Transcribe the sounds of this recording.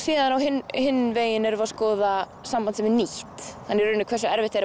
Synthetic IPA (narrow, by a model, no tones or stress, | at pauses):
siːðanawɦɪnhɪnːɪveːjɪnɛɾʏvaskɔːða | sampant̪sɛmɛɾniht̪hanːɛɾːʏnɪkʰvɛrsʏɛɾvɪht̪ɛɾ